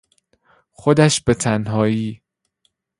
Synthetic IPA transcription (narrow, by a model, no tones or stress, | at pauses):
xod̪æʃbe̞t̪ʰænɦɒːiː